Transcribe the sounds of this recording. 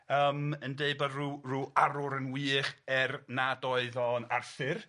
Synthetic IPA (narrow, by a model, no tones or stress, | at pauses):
əːməndeɨbaruruːaɾʊɾənwiːχɛrnadɔɨðɔnarθɪr